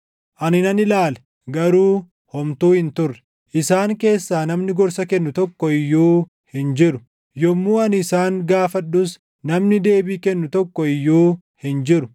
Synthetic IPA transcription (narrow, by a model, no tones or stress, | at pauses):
ʔɐnɪnɐnɪlaːlɛ | ɡɐɾuː | hɔmt̪uːhɪnt̪ʊrːɛ̥ | ʔɪsaːŋke̞ːsːaːnɐmnɪɡɔɾsɐkɛnːʊt̪ɔkːɔɪjːuː | hɪnd͡ʒɪɾʊ̥ | jɔmːuːɐnɪsaːŋɡaːfɐɗːʊs | nɐmnɪd̪e̞ːbiːkɛnːʊt̪ɔkːɔɪjːuː | hɪnd͡ʒɪɾʊ̥